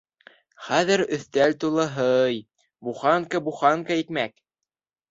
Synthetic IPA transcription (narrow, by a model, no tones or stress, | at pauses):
χæðɘɾɵ̆θt̪ælt̪ulˠɤɦɤj | buχɑŋkɑbuχɑŋkɑikmæk